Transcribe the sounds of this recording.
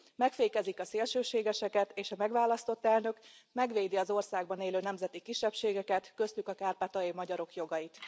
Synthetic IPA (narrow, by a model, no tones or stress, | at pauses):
mɛkfeːkɛzikɒseːlʃøːʃeːɡɛʃɛkɛt̪eːʃɒmɛɡʋaːlɒst̪o̞t̪ːɛlnø̞kmɛɡʋeːd̪iɒzo̞rsaːɡbɒneːløːnɛmzɛt̪ikiʃːɛpʃeːɡɛkɛt̪kø̞st̪ykɒkaːrpat̪ɒimɒɟɒɾo̞kjo̞ɡɒjit̪